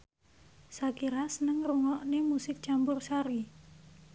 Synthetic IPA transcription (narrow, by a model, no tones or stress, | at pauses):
sakiɾasənəŋruŋɔʔnemusɪk̚t͡ʃambʊrsaɾi